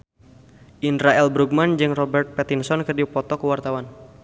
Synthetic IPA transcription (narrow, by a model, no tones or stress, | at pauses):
ʔindɾaɛlbɾuɡ̚mand͡ʒɨŋrɔbɛrt̪̚pɛt̪insɔnkɨrdipɔt̪ɔkəwart̪awan